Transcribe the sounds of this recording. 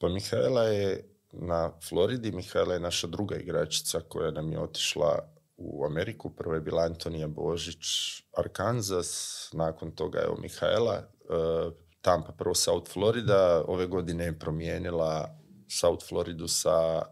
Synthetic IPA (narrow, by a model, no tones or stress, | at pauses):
pamixaelˠaje | naflˠo̞ɾid̪imixaelajenaʃad̪ɾuɡaḭɡɾat͡ʃi̥t̪sako̞̰janamjḛo̞t̪i̥ʃlˠa̰ | ṵame̞ɾikupr̩ʋoje̞biːlˠaant̪o̞nijabo̞ʒit͡ʃaɾkanzasnaːko̞nt̪o̞ɡa̰jḛo̰mʔḭxa̰elˠa̰ | t̪ampapr̩ʋo̞saut̪flˠo̞ɾid̪ao̞̰ʋe̞ɡo̞d̪inejepɾo̞mjeːnilˠa | saut̪flˠo̞ɾid̪usa